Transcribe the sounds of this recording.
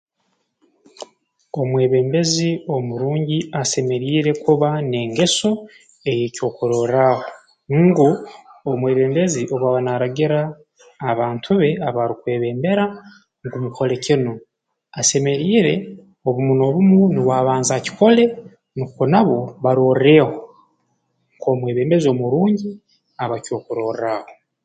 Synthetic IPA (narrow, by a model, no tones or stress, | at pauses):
o̞mwe̞ːβe̞ːmbe̞zio̞muɾuːɲɟiase̞me̞ɾiːɾe̞kuβane̞ːŋɡe̞so̞ | e̞jeːco̞ːkuɾo̞ːɾaho | ɡuomwe̞ːβe̞ːmbe̞ziʔo̞βaβanaɾaɟiɾaː | βaːntʰuβe̞aβaɾikwe̞ːβe̞ːmbe̞ɾa | ŋɡumukʰo̞le̞cino | ase̞me̞ɾiːɾe̞ | oβumuno̞βumuniβwaːβaːnzaci̥ko̞le̞ | nukonaβo̞βaɾo̞ːre̞ːho | ŋko̞ːmweːβe̞ːmbe̞zio̞muɾuːɲɟi | aβaco̞ːkuɾo̞ːraho